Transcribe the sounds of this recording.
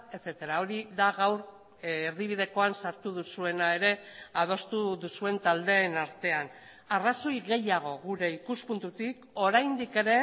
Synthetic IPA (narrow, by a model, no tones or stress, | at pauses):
et͡set̪eɾao̞ɾiðaɣawɾː | ɾðiβ̞ið̞e̞ko̞ansaɾt̪uð̞usue̞nae̞ɾe̞að̞o̞st̪uðusue̞nt̪ald̪e̞ːnaɾt̪e̞an | araso̞jɣe̞jaɣ̞o̞ɣuɾe̞ikuspunt̪ut̪ik | o̞ɾajnd̪ike̞ɾe̞